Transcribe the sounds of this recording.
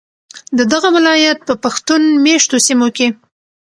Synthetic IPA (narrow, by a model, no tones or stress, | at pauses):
d̪əd̪aɣawɪlɑjat̪̚pəpaxt̪unmeʃt̪osimoke